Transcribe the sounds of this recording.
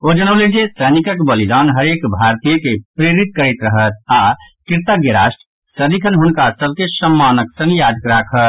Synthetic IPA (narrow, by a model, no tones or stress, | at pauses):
od͡ʒəɽ̃əblend͡ʒesənikəkbəlid̪anɦəɾekbʱaɾt̪ijəkepɾeɾit̪̚kəɾɛt̪ɾəɦət̪̚a | kiɾt̪aɡeɾasʈ | səd̪ikʰənɦunkasəb̚kesəmːanəksənjad͡ʒ̪kɾakʰət̪